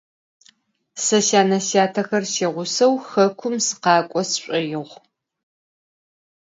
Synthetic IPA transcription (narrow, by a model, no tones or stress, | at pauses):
sɐʃaːnɐsaːtʰɐxɐrʃeːʁʷʊsɐwxɐkʷʰʊmsɨ̥qɑːkʷʼɔsɕʷʼɐjɪʁʷ